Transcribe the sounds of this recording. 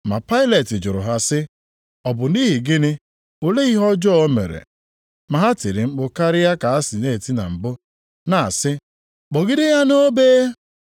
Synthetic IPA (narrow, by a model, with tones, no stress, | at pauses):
ma˨pa˦ɪ˦le˨tɪ˨d͡ʒʊ˨ɾʊ̰˨ɦa˨sɪ˦ | ɔ˨bʊ˨ni˦ɦi˨ɡɪ˦nɪ˦ | o˨le˦i˦ɦɔ˦d͡ʒɔ˦o˦mḛ˨ɾḛ˨ | ma˨ɦa˦ti˨ɾɪ˨ŋ͡m̩˦k͡pʊ˦ka˦ɾɪ˦ja˦ka˨a˦si˨ne˦˨ti˦na̰˨m̩˨bʊ˦ | na˨a̰˨sɪ˦ | k͡po˨ɡɪ˦dɪ˦ja˦no˦beː˦